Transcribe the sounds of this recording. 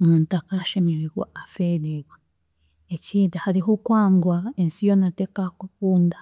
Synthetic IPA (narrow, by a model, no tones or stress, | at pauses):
muntakaʃemiɾiɣwa̰afeɾeɣwa | eciːdahaɾiɦukwaːŋɡwaensijonatekakukuːnda